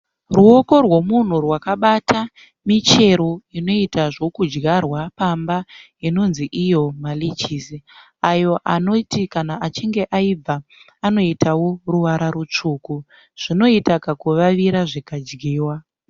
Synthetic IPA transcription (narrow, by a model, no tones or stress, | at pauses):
ruo̞ko̞rwo̞mun̤urwakaɓatʰa | mit͡ʃe̞ɾo̞ino̞itaʐo̞kud͡ʒɡarwapamba | ino̞nziʔijo̞malit͡ʃisi | ajo̞ʔano̞tikanaʔːt͡ʃiŋɡe̞ʔaib͡va | ano̞itʰawo̞ruʋaɾaɾut͡ʂuːku | ʐ̥ino̞itakakuʋaʋiɾaʐikad͡ʒɡiːwa